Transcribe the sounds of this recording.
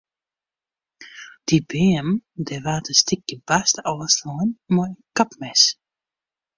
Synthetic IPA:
d̥ibɪəmdɛʋaːtʰəstʰɪkjəbastɔslɔnmɔənkapmɛs

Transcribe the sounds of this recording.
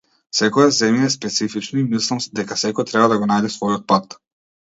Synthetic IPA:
sɛkɔjazɛmjaɛspɛt̪sifit͡ʃnɔimislˠamd̪ɛkasɛkɔjt̪ɾɛbad̪aɡɔnajd̪ɛsvɔjɔt̪̚pat̪

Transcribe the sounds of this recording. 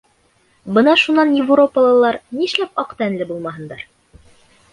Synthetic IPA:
bɤnɑʃunːɑnjɪvro̞pəlˠɤ̆lˠɑɾniʃlæpɑqt̪ænlɘbulˠmɑɦɤ̆nd̪ɑɾ

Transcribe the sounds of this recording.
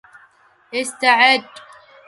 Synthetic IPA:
ɪst̪aʕɪd̪

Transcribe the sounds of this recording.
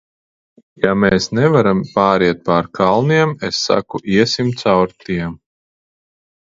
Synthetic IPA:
jameːsnɛvaɾampaːɾiɛt̪̚paɾkʰalˠniɛmesːa̰kuʔiɛsimt̪sawɾt̪iɛm

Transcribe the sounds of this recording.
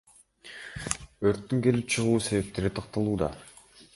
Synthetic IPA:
øɾt̪ːyŋke̞lip̚t͡ʃʰɯʁuːse̞βe̞p̚t̪e̞ɾit̪ʰɑq̚t̪ɑlˠuːd̪ɑ̰

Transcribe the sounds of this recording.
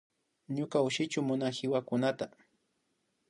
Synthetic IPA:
ɲʊkaʊʃɪt͡ʃʊmʊnaxɪwakʊnat̪a

